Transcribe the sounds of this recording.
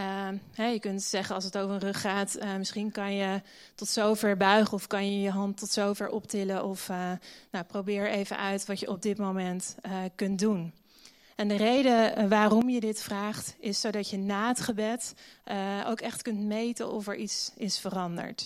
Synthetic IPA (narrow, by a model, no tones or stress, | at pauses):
ɦɛjəkɵntsɛχənɑlˠsətowvəɹə̃nrɵχːaːtmɪsχinkɑnjə | tɔtsowvɛɹbœɥχəɔfkɑnjəjəɦɑntɔtsowvɛɹʔɔptɪləʔɔfnawprowbɪːɹejvə̰nʔœɥtʋɑtjəʔɔb̚dɪtmomɛntkɵntdun | ɛndərejdəʋaːrɔmjədɪtfraːχtɪsːowdɑtjənaːətχəbɛt | o̰wkɛχtkɵntmejtə̰nʔɔ̰fəɹʔitsɪsfərɑndə̰ɹt